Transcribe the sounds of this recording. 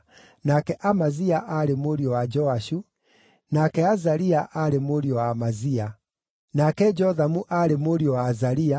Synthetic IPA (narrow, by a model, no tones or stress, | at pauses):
nakɛʔamaziaʔaɾemoɾiɔwad͡ʒɔaʃu | nakɛazaɾiaʔaɾemoɾiɔwamazia | nakɛd͡ʒɔðamuʔaɾemoɾiɔwazaɾia